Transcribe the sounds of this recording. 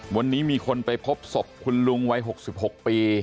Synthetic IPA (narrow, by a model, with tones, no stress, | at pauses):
wa˧nːiː˦˥miː˧kʰo˧npa˧jpʰo˦˥p̚so˨˩p̚kʰu˧nlu˧ŋwa˦˥jɦo˨˩k̚si˨˩p̚ɦo˨˩k̚piː˧